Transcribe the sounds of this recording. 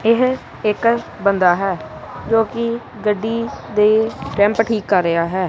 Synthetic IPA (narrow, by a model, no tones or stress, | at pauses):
ɪɦ | ɪkbənd̪aːɦɛːd͡ʒoːkɪ | ɡəɖːiːd̪eːʈɛ̃mpʈʰiːkːəɾːɪaːɦɛː